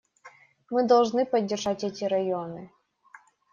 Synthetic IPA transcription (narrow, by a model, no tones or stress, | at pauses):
mɨd̪ɐlˠʐnɨpɐdʲːɪrʐatʲɛtʲɪɾɐjonɨ